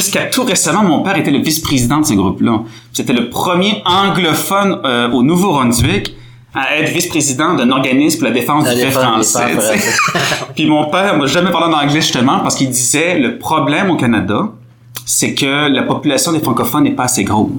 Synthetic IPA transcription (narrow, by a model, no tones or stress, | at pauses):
ʒyskat̪ʰuʁesamɑ̃mɔ̃pɛːʁet̪ɛləvispχezid̪ɑ̃d̪əsəɡʁupla | piset̪ɛləpχəmjeɑ̃ɡlɔfɔnonuvoʁɔ̃d̪ɥɪk | aɛːt̪χvispχezid̪ɑ̃d̪ɛ̃nɔʁɡanɪsmpulad̪efɑ̃sd̪yɛfχɑ̃sɛ̰ɛ | pɥimɔ̃pɛːʁɔ̃vaʒamɛpaʁlẽd̪ɑ̃ɡlɛʒy̥st̪əmɑ̃paʁskild̪izɛləpχɔblɛmokanad̪a | sɛkəlapɔpylasjɔ̃d̪efχɑ̃kɔfɔnɛpaːseɡʁo